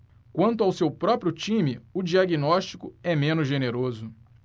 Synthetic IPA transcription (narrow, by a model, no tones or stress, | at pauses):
kwɐ̃nt̪ʊawsewpɾɔpɾjʊt͡ʃĩmɪʊd͡ʒiaɡinɔʃt͡ʃi̥kʊɛmẽnʊzʒeneɾozʊ